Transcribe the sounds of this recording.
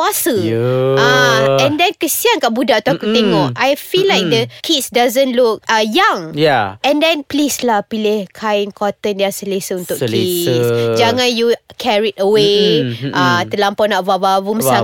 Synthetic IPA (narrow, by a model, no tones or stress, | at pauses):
uasəaɛ̃ndɛnkəsiankaʔbudaʔt̪uakut̪eŋɔʔajfilːajk̚d̪əkʰitsdazə̃nluk̚ajaŋjaɛ̃ndɛ̃nplislahpilɪhkʰaɪnkʰɔt̪əndiasəlesəunt̪ʊʔkkisd͡ʒaŋãnjukʰɛɹitəweʔat̪əlampɔnaʔvavavuməsa